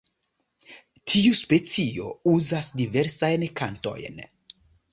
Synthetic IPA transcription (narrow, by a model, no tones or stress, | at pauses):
tʰiuspet͡sio̞̰uzasdiveɾsajnkanto̞̰jn